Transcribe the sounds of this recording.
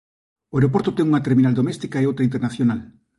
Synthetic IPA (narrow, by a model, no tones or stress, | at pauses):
oeɾopoɾt̪ot̪eŋuŋat̪eɾminald̪omest̪ikaeowt̪ɾaint̪̬eɾnaθjonal